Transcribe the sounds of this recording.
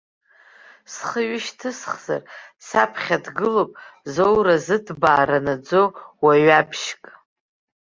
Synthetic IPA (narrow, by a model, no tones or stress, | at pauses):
sχəɥɪʃtʰɨsχza̰rsapʰχʲadɡɨlopʼzowɾazɨdʰbaːɾanad͡zo̞waɥapʰʃkʼ